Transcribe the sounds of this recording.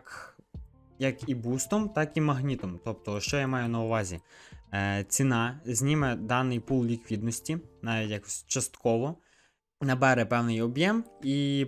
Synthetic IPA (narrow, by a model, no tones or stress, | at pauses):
k | jɐkibust̪ɔmt̪ɑkimɐɦnʲit̪ɔmt̪ɔp̚t̪ɔʃt͡ʃɔjamɑjʊnɐʊʋɑzʲḭ | t͡sʲinɑzʲnʲimɛd̪ɑnɪjpulˠlʲikʋʲid̪nɔsʲtʲinɑʋʲitʲjakɔ̥sʲt͡ʃɐst̪kʰɔʋɔ | nɐbɛɾɛpɛwnɪjɔbjɛmi